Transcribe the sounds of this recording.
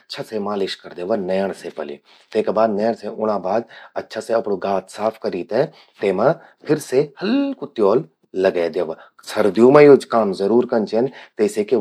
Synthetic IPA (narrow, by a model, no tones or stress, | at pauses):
ɐtːʃʰasemaːlɪʃkɐɾd̪eːʋɐnɛjəɽ̃sepɐlḛ | t̪eːkabaːd̪nɐjəɽ̃seʊɽ̃abaːd̪ɐtːʃʰaseɐpɽoɡaːt̪saːpʰkɐɾiːt̪ẽ | t̪eːmã | pʰɪɾsehɐlkut̪joːlː | ɐɡed̪eːʋa | sɐɾd̪jumẽjod͡ʒkaːmzɐɾuːɾkɐnt͡ʃent̪eːseke